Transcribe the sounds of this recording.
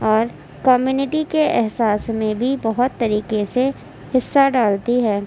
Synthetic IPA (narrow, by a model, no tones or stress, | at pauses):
ɔːɾ | kɔːmjuːnɪʈikeʔɛɦsaːsmẽbʱibɐɦʊt̪ːɐɾiːqese | hɪsːaɖaːlt̪iɦɛː